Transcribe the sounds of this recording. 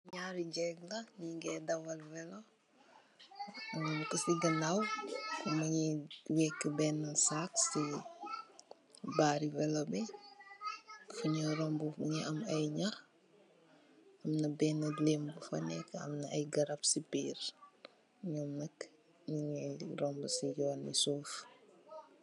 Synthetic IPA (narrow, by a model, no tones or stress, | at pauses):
ɲaɾiɟɛɡlɐɲiɡɛdɐwɐlvɛlo | kɐsiɡɐnawkɔmɐɲiwɛkːəbɛːnːɐsaksi | baːɾivɛlobɛ | fuɲɐɾɔmbuɲɛʔɐmɐjɲɐx | ɐmnɐbɛnːɐlembəfɐ̰nɛkɐ̰mnɐɐjɡɐɾɐpsipiːr | ɲɔmnɐk | ɲiɲɛirɔmbəsijɔːnːisuːf